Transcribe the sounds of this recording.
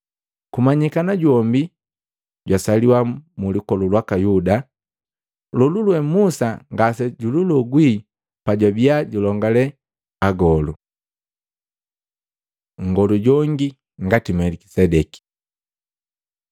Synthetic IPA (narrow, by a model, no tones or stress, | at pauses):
kumaɲikanaɟwɔmbi | ɟwasaliwamulukɔlulwakajuda | lululwɛmusaŋɡasɛɟululɔɡwi | paɟwabiaɟulɔŋɡalɛ | aɡɔlu | ŋɡɔluɟɔŋɡi | ŋɡatimɛliki̥sɛdɛki̥